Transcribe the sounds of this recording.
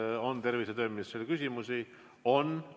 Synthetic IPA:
o̞nt̪e̞rviset̪øːmisselkysʲimusi | o̞n

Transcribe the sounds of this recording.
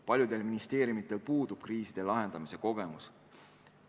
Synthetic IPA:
pɑlʲjud̪e̞lminist̪e̞ːɾjumit̪ˑːe̞lpuːd̪ub̥kriːsid̪̥e̞lɑɦe̞nd̪̥ɑmise̞ko̞ɡ̥e̞mus

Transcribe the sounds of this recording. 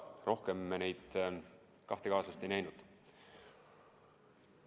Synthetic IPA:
ro̞hke̞mːenejd̪̥ | kɑht̪e̞kɑːsɑst̪e̞jnæjnud̪̥

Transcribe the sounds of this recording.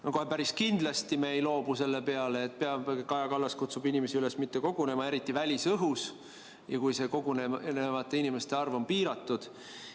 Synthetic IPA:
noko̞hepæɾiskind̪̥lɑst̪ime̞jlo̞ːbuse̞lːepe̞ɑleːt̪̚ːˑpeɑbkɑjɑkɑlːɑskut̪subinʲime̞siylesmit̪ːe̞ko̞ɡ̥une̞mɑe̞ɾit̪ːˑivælʲisɤɦus | jɑkujse̞ko̞ɡunenevɑt̪ːˑe̞inime̞st̪e̞ɑrvo̞mpiːɾɑt̪ːˑud̪̥

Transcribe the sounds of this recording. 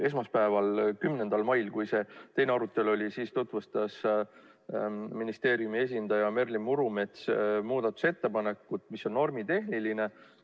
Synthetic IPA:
e̞s̬mɑspæevɑlkymne̞nd̪ɑlmɑjlkujse̞t̪e̞jneɑɾut̪ːˑe̞lo̞lʲisiːst̪ot̪ˑvust̪ɑs | minist̪e̞ːɾiumie̞s̬ʲind̪ɑjɑme̞rlimmːuɾume̞t̪smuːd̪̥ɑt̪ːˑu̥se̞t̪ːe̞pɑne̞kːˑut̪miso̞nno̞rmit̪e̞ɦniline̞

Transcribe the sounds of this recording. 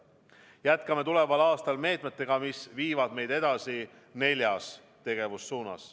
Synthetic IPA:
jæt̪kɑme̞t̪ule̞vɑlɑːst̪ɑlme̞ːt̪ˑme̞t̪ːˑe̞ɡ̥ɑmisviːvɑd̪̥me̞jd̪̥e̞d̪̥ɑsi | ne̞lʲjɑs | t̪e̞ɡ̥e̞vusːuːnɑ̰s

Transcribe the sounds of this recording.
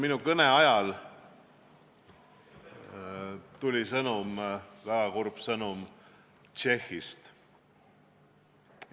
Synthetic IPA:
minukɤneɑjɑl | t̪ulʲisɤnumvæɡ̥ɑkorb̥sɤnum | t͡ʃe̞xist̪

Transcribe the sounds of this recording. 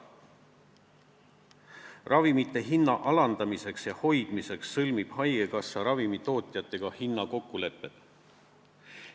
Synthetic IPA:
rʔɑvimit̪ːe̞ɦinːɑʔɑlɑnd̪̥ɑmise̞ksjɑho̞jd̪̥mise̞ksːɤlmib̥hɑjɡ̥e̞kɑsːɑɾɑvimit̪o̞ːt̪ʲˑijɑt̪ːˑe̞ɡ̥ɑhinːɑko̞kːule̞pːˑe̞t̪ˑ

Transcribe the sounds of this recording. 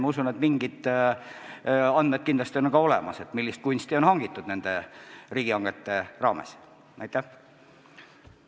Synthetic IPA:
mɑusunet̪miŋɡid̪ | ɑnd̪met̪̚kind̪lɑst̪ionkɑo̞lɛ̰mɑse̞t̪milːist̪̚kunʲst̪io̞nhɑŋɡit̪ːˑud̪̥ne̞nd̪e̞riːɡ̥iɑŋɡet̪ːe̞rɑːmḛs | næjt̪ːæh

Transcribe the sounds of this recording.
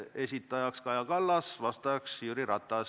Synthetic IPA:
e̞sit̪ːˑɑjɑkskɑjɑkɑlːɑsvɑst̪ɑksyɾiɾɑt̪ːˑɑs

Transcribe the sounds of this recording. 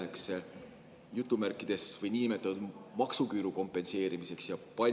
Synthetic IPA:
ekse̞ | jut̪ːˑumærkːˑid̪̥e̞svɤjninime̞t̪ːˑɑnud̪mɑksukyːɾuko̞mpːˑe̞nse̞ːɾimise̞ksjɑpɑ

